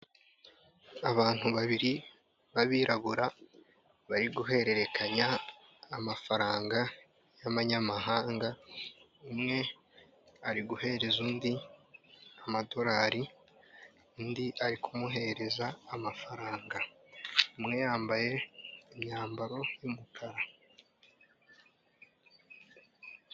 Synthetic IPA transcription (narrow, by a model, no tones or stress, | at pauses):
aβaːn̥huβaβiɾi | βaβiːɾaβuɾa | βaɾiɡuɦe̞ɾe̞ɾe̞kʰaɲaː | mafaɾaːŋɡa | jamaɲamaɦaːŋɡa | umŋe̞ | aɾiɡuhe̞ɾe̞zuːndi | amado̞ɾaːɾi | undiʔaɾikʰumuɦe̞ɾe̞zaːmafaɾaːŋɡa | umŋe̞jaːmbaje̞imɲaːmbaɾo̞jumukʰaɾa